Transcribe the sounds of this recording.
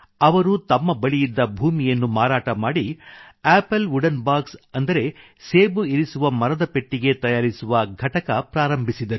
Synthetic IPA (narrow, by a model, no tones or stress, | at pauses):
ɐʋɐɾut̪ɐmːɐbɐɭijid̪ːɐbʱuːmijɐnːumaːɾaːʈɐmaːɽieːpɐluɖɐnbaːksɐnd̪ɐɾe̞ | seːbuiɾisuʋɐmɐɾɐd̪ɐpe̞ʈːiɡe̞t̪ɐjaːɾisuʋɐɡʱɐʈɐkɐpɾaːɾɐmbʱisid̪ɐɾu